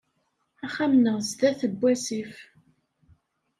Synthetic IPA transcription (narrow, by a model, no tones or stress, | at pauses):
æχæmnəʁzd̪æθəbʷːæsif